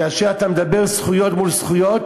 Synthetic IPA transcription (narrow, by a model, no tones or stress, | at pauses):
aʃeat̪amed̪abeʁsχujot̪mulsχujot̪